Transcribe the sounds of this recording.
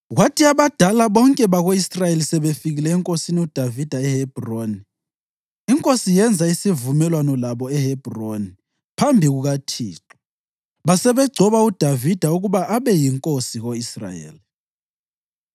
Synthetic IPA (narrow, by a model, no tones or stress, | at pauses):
ɣwatʰiaβad̥ʱalaβɔŋkʼɛβaɣoisrajelisɛβefiɣilɛːŋkʼosiniud̥ʱavid̥ʱaɛheb̥ʱroni | iŋkʼosijɛnd͡zʱaisivumɛlwanɔlaβɔɛhɛb̥ʱroni | pʰambʱiɣuɣatʰḭːǁɔ̥ | βasɛβɛɡ͡ǀʱɔβaud̥ʱavid̥ʱauɣuβaʔaβɛjiŋkʼosiɣoisra̰jḛːli